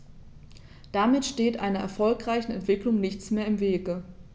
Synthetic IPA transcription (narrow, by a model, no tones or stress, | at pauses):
d̥amɪtʃteːtʔa̰ɪnɐʔɛ̰ɐfɔlkʁ̥aɪçn̩ɛntv̥ɪklʊŋnɪçt͡smeːɐɪmveːɡə